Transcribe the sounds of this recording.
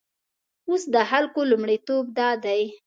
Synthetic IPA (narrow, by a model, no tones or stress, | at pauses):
osd̪əxalkolumɽit̪ob̚d̪ɑd̪aj